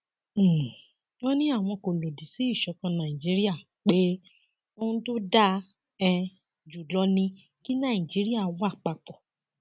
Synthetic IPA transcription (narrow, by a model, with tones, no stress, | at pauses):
wɔ̃˦nĩ˦a˦˨w̃ɔ̃˧ko˨lo˨di˨si˨˦i˦˨ʃɔ˧kã˧nã˨i˨d͡ʒi˨˦ɾi˦a˦˨ | k͡pe˦ | o˦ũ˦to˦da˦ | ɛ˧ | d͡ʒu˨lɔ˦nĩ˧ | ki˦nã˦˨ĩ˨d͡ʒi˨˦ɾi˦a˦˨wɔ˦a˦˨k͡pa˧k͡pɔ˨